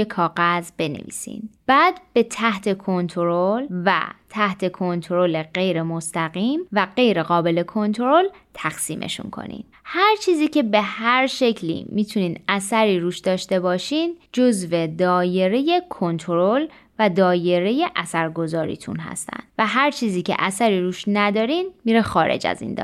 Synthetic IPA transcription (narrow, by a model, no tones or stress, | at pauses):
ekʰɒːɣæzbe̞nḛvḭːsḭnb̥æːd̪b̥e̞t̪ʰæht̪ʰe̞kʰo̞nt̪ʰoɾolvæ̰t̪ʰæht̪ʰe̞kʰo̞nt̪ʰɾole̞ɢe̞jɾe̞most̪ʰæɣiːmvæɢe̞jɾe̞ɣɒːbe̞le̞kʰo̞nt̪ʰoɾo̞lt̪ʰæxsiːmʔḛʃṵnkʰo̰nḭn | hæɾt͡ʃʰiːziːcʰe̞be̞hæɾʃe̞cʰlḭmit̪ʰuniːnæsæɾiːɾuːʃd̪ɒːʃt̪e̞bɒːʃiːnd͡ʒo̞zve̞d̪ɒːje̞ɾe̞je̞kʰo̞nt̪ʰoɾol | væd̪ɒːje̞ɾe̞je̞ʔæsæɾɡo̞zɒːɾḭːt̪ʰṵnɦæ̰st̪ʰæ̰nd̪̥væɦæɾt͡ʃʰiːziːcʰḛʔæsæɾiːɾuːʃnæd̪ɒːɾiːnmiːɾexɒːɾe̞̰d͡ʒæ̰zḭnd̪ɒ̰